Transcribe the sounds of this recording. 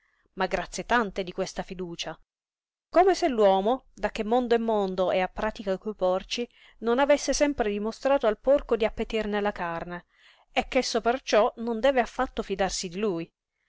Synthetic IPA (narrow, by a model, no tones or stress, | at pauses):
maɡːɾat̪sːjet̪ant̪ed̪ikwest̪afid̪uːt͡ʃa | komeselːwɔːmod̪ak̟ːemːond̪oɛmːond̪oʔɛapːɾaːt̪ikakupɔrt͡ʃi | nonavesːesɛmpɾed̪imost̪ɾaːt̪oalporkod̪iapːet̪irnelakarne | ɛkːesːopert͡ʃɔnond̪ɛːveafːat̪ːofid̪arsid̪iluj